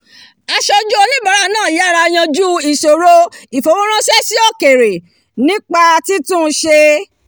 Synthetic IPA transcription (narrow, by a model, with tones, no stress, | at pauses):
a˧ʃɔ˧d͡ʒu˦o˧nĩ˦ba˨˦ɾa˦˧nãː˦˨˦a˦˨ɾa˧j̃ã˧d͡ʒu˦i˦˨so˨ɾo˦i˨fo˨˦w̃õ˦ɾ̃ã˦sɛ˦si˦ɔ˦˨ke˨ɾe˨ | nĩ˦k͡pa˧ti˦tũ˦˧ʃe˧